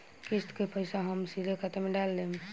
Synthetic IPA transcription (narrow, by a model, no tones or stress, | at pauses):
kist̪kepəjsaɦəmsiɾekʰat̪emeɖalːem